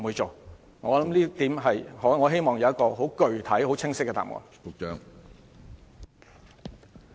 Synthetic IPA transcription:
u˨˧jt͡so˨w | ŋɔː˨˧˨lɐ˨˦mliː˥t̪iː˨˥mɦɐ˨jhɔ˨˥ŋɔː˨˧ɦe˥jmɔː˨˩ŋjɐ˨˧wjɐ˥kɔː˧ɦo˨˥wkɵ˨ɥt̪ʰɐ˨˥jho˨˥wt͡sʰɪ˥ŋsɪ˥kːɛ˨˧t̪a̰ː˨˩mʔɔ̰ː˨˧˩kʊ˨k̚t͡ʃœː˧ŋ

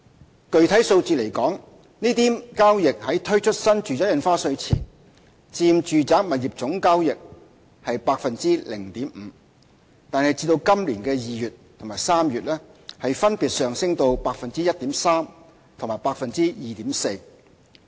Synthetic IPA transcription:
kɵ˨ɥt̪ʰɐ˨˥jso˧wt͡siː˧˨le˨˩jkɔː˨˥ŋ | niː˥t̪iː˥kaː˥wjɪ˨k̚hɐ˨˥jt̪ʰɵ˥ɥt͡ʃʰɵ˥t̚sɐ˥nt͡ʃyː˨t͡saː˨˥jɐ˨˧nfaː˥sɵ˧ɥt͡sʰḭː˨˩n | t͡siː˧mt͡ʃyː˨t͡saː˨˥k̚mɐ˨t̚jiː˨˩p̚t͡sʊ˨˥ŋkaː˥wjɪ˨k̚ | hɐ˨jpaː˧k̚fɐ˨nt͡siː˥lɪ˨˩ŋt̪iː˨˥m̩˨˦ | t̪aː˨nhɐ˨jt͡siː˧t̪o˧wkɐ˥mliː˨˩nkɛː˧jiː˨jyː˨t̚t̪ʰʊ˨˩ŋmaː˨˩jsaː˥mjyː˨t̚lɛː˥hɐ˨jfɐ˥npiː˨t̚sœː˨ŋsɪ˥ŋt̪o˧wpaː˧k̚fɐ˨nt͡siː˥jɐ˥t̚t̪iː˨˥msaː˥m | t̪ʰʊ˨˩ŋmaː˨˩jpaː˧k̚fɐ˨nt͡siː˥jiː˨t̪iː˨˥mse˧j

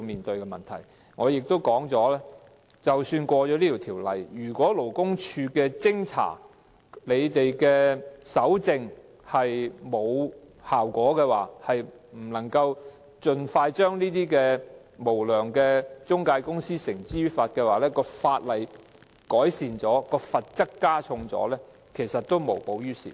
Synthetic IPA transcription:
miː˨nt̪ɵ˧ɥkɛ˧mɐ˨˩nt̪ʰɐ̰˨˩j | ŋɔː˨˧jɪ˨k̚t̪o˥wkɔː˨˥ŋt͡ʃɔː˨˥lɛː˥ | t͡sɐ˨wsyː˧nkʷɔː˧t͡ʃɔː˨˧˥liː˥iː˨˩t̪ʰiː˨˩wlɐ̰˨jjyː˨˩kʷɔː˨˥lo˨˩wkʊ˥ŋt͡ʃʰyː˧kɛː˧t͡sɪ˥ŋt͡sʰa̰ː˨˩ | le˨˧jt̪e˨jkɛː˧sɐ˨˥wt͡sɪ˧ŋ | hɐ˨jmo˨˧w | haː˨˩wkʷɔː˨˥kɛː˧waː˨˩hɐ˨j | m̩˨˩lɐ˨˩ŋkɐ˧w | t͡ʃɵ˧nfaː˧jt͡ʃœː˥ŋniː˥t̪̬iː˥kɛː˧ | mo˨˩wlœː˨˩ŋkɛː˧t͡ʃʊ˥ŋkaː˧jkʊ˥ŋsiː˥sɪ˨˩ŋt͡siː˥faː˧t̚kɛː˧waː˨lɛː˥kɔː˧faː˧t̚lɐ˨j | kɔː˨˥jsiː˨nt͡sɔː˨˥kɔː˧fɐ˨t̚t͡sɐ˥kkːaː˥t͡sʰʊ˧ŋt͡sɔ̰ː˨˥lɛː˥ | kʰe˨˩jsɐ˨t̚t̪o˥wmo˨˩wpo˨˥wjyː˥sḭ˨

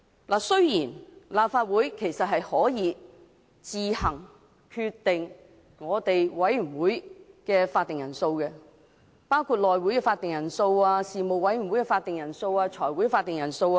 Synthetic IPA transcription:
laː˨˩sɵ˥ɥjiː˨˩nlaː˨p̚faː˧t̚wuː˨˥jkʰe˨˩jsɐ˨t̚ɦɐ˨jhɔː˨˥jiː˨˧ | t͡siː˨hɐ˨˩ŋ | kʰyː˧t̪ːɪ˨ŋ | ŋɔː˨˧t̪e˨jwɐ˨˥jy˨˩nwuː˨˥jkɛː˧faː˧t̪̚ːɪ˨ŋjɐ˨˩nso˧wkɛ˧ | paː˥wkʰuː˧t̚lɔː˨jwuː˨˥jkɛː˧faː˧t̪ɪ˨ŋjɐ˨˩nso˧waː˧siː˨mo˨wwɐ˨˥jy˨˩wu˨˥jkɛ˧faː˧t̪ːɪ˨ŋjɐ˨˩nso˧waː˧t͡ʃʰɔː˨˩jwu˨˥jɛ˧faː˧t̪ːɪ˨ŋjɐ˨˩nso˧wa˧

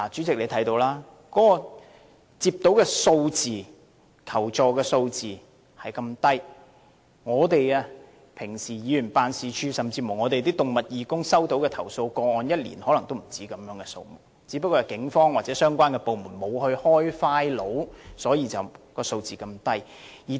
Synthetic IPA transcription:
laː˨˩t͡syː˨˥t͡sɪ˨k̚le˨˧t̪ʰɐ˨˥jt̪o˧wlaː˥ | kɔː˨˦˥kɔ˧ | t͡siː˧p̚t̪o˨˥wkɛ˧so˧wt͡siː˨ | kʰɐ˨˩wt͡ʃɔː˨kɛː˧so˧wt͡siː˨ | hɐ˨jkɐ˧mt̪ɐ˥j | ŋɔː˨˧t̪e˨jaː˧ | pʰɪ˨˩ŋsiː˨˩jiː˨˧jyː˨˩npaː˧nsiː˨˧t͡ʃʰyː˥sɐ˨mt͡siː˧mʊ˨˩ŋɔː˨˧t̪e˨jt̪i˥t̪ʊ˨ŋmɐ˨t̚jiː˨˩kʊ˥ŋsɐ˥wt̪o˨˥wkɛː˧t̪ʰɐ˨˩wso˧wkɔː˧ŋɔː˨njɐ˥t̚lḭ˨˩nhɔ˨˥lɐ˨˩ŋt̪o˥wm̩˨˩t͡siː˨˥kɐ˨˥mjœː˨˥ŋkɛ˧so̰˧wmʊ˨k̚t͡siː˨˥pɐ˥kːɔː˧˨˩kɪ˨˥ŋfɔː˥ŋwaː˨t̚t͡sɛː˨˥sœː˥ŋkʷaː˥nkɛː˧po˨wmuː˨˩nmo˨˧whɵ˧ɥhɔː˥jfaː˥jlo˨˥wsɔː˨˥jiː˨˧t͡sɐ˨wkɔː˧so˧wt͡siː˨kɐ˧mt̪ɐ˥j | jiː˨˩

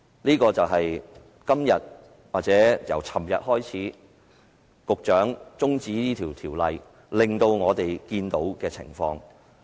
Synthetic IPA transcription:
liː˥kɔː˧t͡sɐ˨wɦɐ˨j | kɐ˥mjɐ˨t̚ | waː˨k̚t͡sɛː˨˥jɐ̰˨˩wt͡sʰɐ˨˩mjɐ˨t̚hɔː˥jt͡sʰiː˨˥ | kʊ˨k̚t͡ʃœː˨˥ŋt͡sʊ˥ŋt͡siː˨˥niː˥t̪ʰiː˨˩wt̪ʰiː˨˩wlɐ˨j | lɪ˨˩ŋt̪o˧wŋɔː˨˧t̪e˨jkiː˧nt̪o˨˥wkɛː˧t͡sʰɪ̰˨˩ŋfɔː˧ŋ

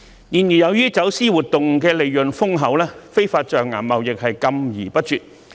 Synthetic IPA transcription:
jiː˨˩njiː˨˩jɐ˨˧wjyː˥t͡sɐ˨˥wsiː˥wuː˨t̚t̪ʊ˨ŋkɛː˧le˨˧jːɵ˨˩nfʊ˥ŋɦɐ˨˥wlɛː˥fe˥jfaː˧t̚t͡ʃœː˨ŋŋaː˨˩mmɐ˨wjɪ˨k̚hɐ˨jkɐ˧mjiː˨˩pɐ˥t̚t͡ʃyː˨t̚

